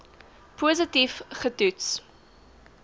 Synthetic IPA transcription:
pʰuzətifχətʉts

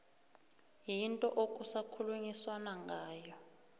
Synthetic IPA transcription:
jintʼɔʔokʼusakʰuluŋiswanaŋɡʱaːjɔ

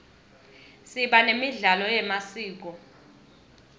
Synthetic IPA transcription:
siɓanemiɮalɔjɛmasiːk̬ɔ

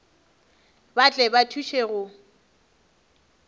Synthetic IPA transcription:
bat͡ɬʼɛbatʰuʃeɣʊ

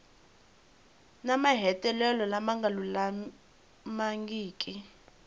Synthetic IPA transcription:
namaɦɛtʼɛlɛlɔlamaŋɡalula | maŋɡiːkʼi

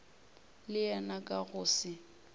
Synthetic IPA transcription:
lɪjɛnakʼaɣʊːsɪ

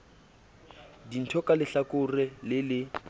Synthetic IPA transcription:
din̩tʰɔkʼalɪɬakʼʊrɛlɪlɪ

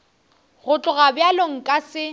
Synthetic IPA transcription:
ɣʊt͡ɬʼʊɣabjaloŋ̩kʼasɪ

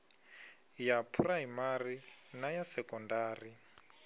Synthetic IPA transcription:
japʰuraimarinajasɛkɔndaːri

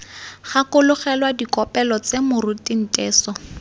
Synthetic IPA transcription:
χakʊlʊχɛlwadikɔpɛlɔt͡semʊrʊtin̩tʼɛːsɔ

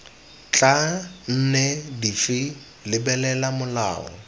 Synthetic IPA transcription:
t͡ɬʼan̩nɛdifi | lɪbɛlɛlamʊla̰ːɔ̰

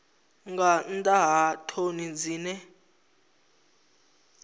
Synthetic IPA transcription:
ŋɡantʼaɦatʰonid͡ziːnɛ

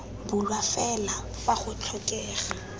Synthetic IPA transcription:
bʊlwafɛla | faχʊt͡ɬʰɔkʼɛːχa

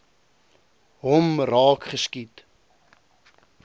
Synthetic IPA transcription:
ɦɔmrɑːkχəskit

